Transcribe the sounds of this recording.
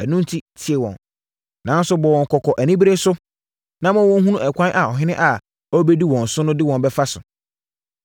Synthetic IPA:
æ˨nũ˦n˦tʰi˦tʰi˨e˨wɔ̰̃˨n | nã˨˦n˦sʊ˨˦bɔ˨wɔ̃˨ŋ̩˨kʰɔ˨kʰɔ˨ʔæ˨nĩ˦bɾe˦sʊ˦ | nã˦mã˦wɔ̃˦n˦ɦũ˦nũ˦ɛ˨kʷã˦nʔa˨ɔ˨ɦɪ̃˦nɪ̃˦ʔa˨ | ɔ˦be˦di˦wɔ̃˨n̩˨sʊ˦nʊ̃˦dɪ˦wɔ̃˨nbɛ˦fa˦sʊ˨

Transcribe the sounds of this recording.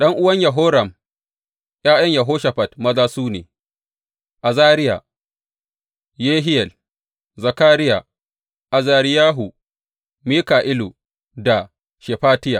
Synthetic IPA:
ɗɐ˦ŋʔʊ˦wɐ˦ɲjɐ˨ɦoː˦ɾɐ˨m | j̰aː˦jɐ˦ɲjɐ˨ɦoː˦ʃɐ˨ɸɐ˨tmɐ˦zaː˦suː˦nḛː˨ | ʔa˨zaː˦ɾɪ˦ja̰˨ | jeː˦ɦɪ˦jɛ˨l | zɐ˨kaː˦ɾɪ˦ja˨ | ʔa˨zaː˨ɾɪ˦jaː˦ɦu˨ | miː˦kaː˨ʔɪ˦lu˨ | da˨ | ʃe˨ɸaː˦tɪ˦ja˨

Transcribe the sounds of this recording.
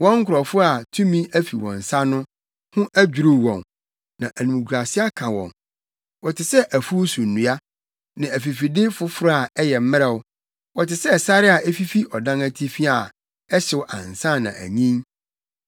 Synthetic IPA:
wɔ̃˦ŋ̩˦kʰʊ˨ɾɔ˨fʊ˦a˨tʰũ˦mĩ˦æ˦fi˨wɔ̰̃˨n˨sa˦nʊ̃˦ | hʊ̃˦ʔæ˦d͡ʑᶣu˨ɾu˨wɔ̰̃˨n | nã˨ʔæ˨nũ˨m˨kʰɾa˨si˦a˦kʰã˨wɔ̰̃˨n | wɔ˨tʰɪ˨sɛ˦ʔæ˨fu˦wsũ˨n̩ː˨ũ˨a˦ | nã˨æ˨fi˨fi˨dɪ˦fʊ˦fʊ˦ɾa˨ɛ˦jɛ˨m̩˦mɪ̃˦ɾɛ˨wʊ˦ | wɔ˨tɪ˨sɛ˦˨sa˦ɾɪ˦a˨ɛ˦fi˦fi˦ʔɔ˨dã˦næ˦tʰi˦fi˦a˨ | ɛ˦ɕɪ˨wʔã˨n˨sã˦˨nã̰˨ʔæ̰˨ɲĩ˦ŋ

